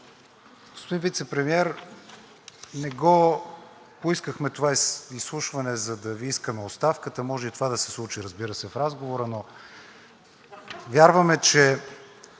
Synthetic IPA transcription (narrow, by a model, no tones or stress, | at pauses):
ɡ̥ospod̪invit̪sɛpɾɛmiɛɾ | nɛɡɔ | poiskəxmɛt̪ovaisːlˠuʃvɐnɛzɐd̪ɐviiskəmɛot̪st̪afkət̪əmɔʒɛit̪ovad̪ɐsɛ̥slˠut͡ʃiɾəzbiɾəsɛfɾazɡovoɾəno | vʲjaɾvəmɛt͡ʃɛ